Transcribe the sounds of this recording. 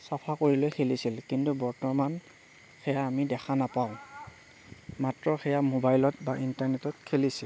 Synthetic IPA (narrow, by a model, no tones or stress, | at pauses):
sapʰakoɹilojxʰelisilkintubɔɹtɔman | xɛjaːmidɛxʰanapaʊ̃ | matɹɔxɛjamobajlɔtbaʔintaɹnɛtɔtkʰelisil